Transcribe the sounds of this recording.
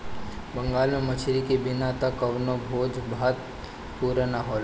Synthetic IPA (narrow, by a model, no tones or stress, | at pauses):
bɐ̃ŋɡaːlmẽmɐt͡ʃʰɾikebɪnat̪ɐkːɐʋnobʱoːd͡ʒbat̪̚ | puːɾnaɦoːl